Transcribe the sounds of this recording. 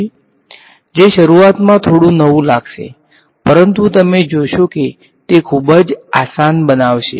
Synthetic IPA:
d͡ʒeʃəɾuat̪mãt̪ʰoɽũnəʋũlaɡʃḛ | pəɾənt̪ut̪əmed͡ʒoʃoke | t̪ekʰubəd͡ʒasanbənaʋʃḛ

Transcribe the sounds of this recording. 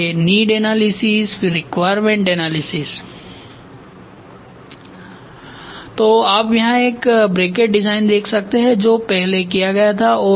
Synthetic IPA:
eniːɖɛnaːlɪsɪsfɪɾːɪkʋaːjɾmẽɳʈɛnaːlɪsɪs | t̪oːaːpjɐɦãeːkbɾeːkeʈ̚ɖɪzaːɪnd̪eːkʰsɐk̚t̪eɦɛ̃d͡ʒoːpɛɦlekijaɡɐjat̪ʰaɔː

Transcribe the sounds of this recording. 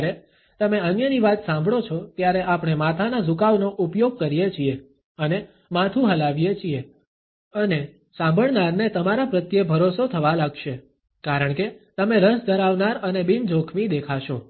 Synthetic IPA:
ɾe | t̪əmeənjəniʋat̪sãmbʱɭot͡ʃʰɔt̪jaɾeʔapɳ̃emat̪ʰanazukaʋnoʔupjoɡ̚kəɾijet͡ʃʰie | əne | mãt̪ʰuɦəlaʋijet͡ʃʰie | əne | sãmbʱəɭnaɾnet̪əmaɾapɾət̪jebʱəɾosot̪ʰəʋalaɡʃe | kaɾəɳ̃ket̪əmeɾəsd̪əɾaʋnaɾənebind͡ʒokʰmid̪ekʰaʃo

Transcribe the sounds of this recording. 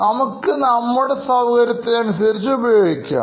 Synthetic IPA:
nɐmukːɨnɐmːuɽesɐʋɐɣɐɾjɐt̪ːeɐnusɐɾit͡ɕːɨubɐjoːɡikʲːa̰ː

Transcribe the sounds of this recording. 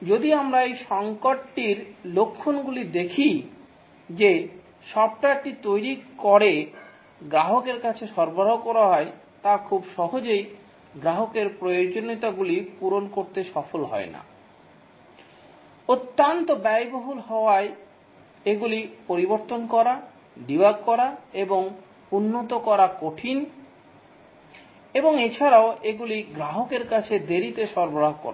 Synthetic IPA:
d͡ʑod̪iamɾaejʃɔŋkoʈʈiɾlokʰːonɡulid̪ekʰi | d͡ʑe | ʃɔb̚ʈaʈit̪ojɾikɔɾe | ɡɾaɦokeɾkat͡ɕʰeʃɔɾbɾaɦokɔɾaɦɔe | t̪akʰubʃɔɦod͡ʑej | ɡɾaɦokeɾpɾojoɾd͡ʑonit̪aɡulipuɾonkoɾt̪eʃɔfolɦɔ̰ena̰ | ot̪ːant̪obɛjboɦulɦɔoae | eɡulipoɾiboɾt̪onkɔɾa | ɖibaɡ̚kɔɾaeboŋ | unːot̪okɔɾakoʈʰin | eboŋet͡ɕʰaɾaoʔeɡuliɡɾaɦokeɾkat͡ɕʰed̪eɾit̪eʃɔɾboɾaɦkɔ̰ɾa̰

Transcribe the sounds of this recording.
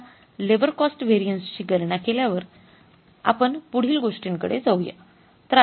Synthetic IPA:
leʋəɾkɔsʈʋeɾijənst͡ɕiːɡəɾɳakeljaʋəɾ | a̰pəɳpuɽ̤iːlɡoʂʈiŋkə̰ɽḛd͡zəwja̰ | t̪ɾ

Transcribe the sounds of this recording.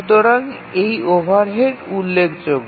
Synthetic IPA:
t̪oɾaŋ | ejobʱaɾɦeɾulːekʰd͡ʑoɡ

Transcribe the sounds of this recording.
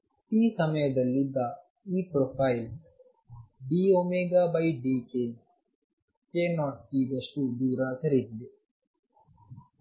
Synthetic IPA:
t̪iːsəmẽːd̪ɐlid̪aː | iːpɾoːpʰaːil | ɖiːoːmeːɡaːbaːiɖiːkeː | keːnɔːʈ̚kiːd̪əsʈuːd̪uːɾaːsɐɾid͡ʒle

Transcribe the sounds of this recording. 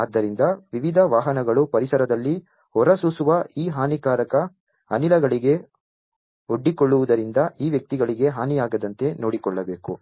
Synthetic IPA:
aːd̪ːɐɾind̪ɐʋiʋid̪ʱɐʋaːɦɐnɐɡɐɭupɐɾisɐɾɐd̪ɐlːi | hɔɾɐsusuʋɐiːɦaːnikaːɾɐkɐ | ɐnilɐɡɐɭiɡe̞ | oɖːikɔɭːuʋud̪ɐɾind̪ɐʔiːʋjɐk̚t̪iɡɐɭiɡe̞ɦaːnijaːɡɐd̪ɐnt̪e̞noːɽikɔɭːɐbe̞ːkṵ

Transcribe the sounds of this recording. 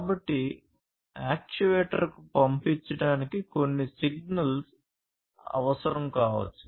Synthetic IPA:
kaːbɐʈːi | aːk̚t͡ʃuʋeːʈɐ̰ɾkupɐmpiɲt͡ʃːɐɽaːnikiko̞nːisiɡ̚nɐls | ɐ̰ʋɐsɐɾɐmkaːʋɐ̰t͡ʃːu̥

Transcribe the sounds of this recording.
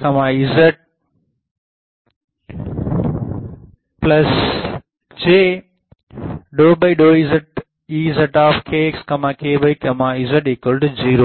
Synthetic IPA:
kɐmãːizəʈ̚ | plɐs | d͡ʒeː | ɗoːbɐiɗoːizɐʈ̚ | iːzɐʈaːfkʰekskɐmãːkʰeːbɐikɐmãizɐʈikəlɖziːɾo

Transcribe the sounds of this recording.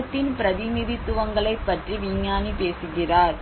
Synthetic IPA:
t̪ːɪnpɪɾɐðɪnɪðɪt̪ːʊʋɐŋɡɐɭɐɪpːɐʈriʋɪɲːaːnipeːsɯɣɪraːɾ

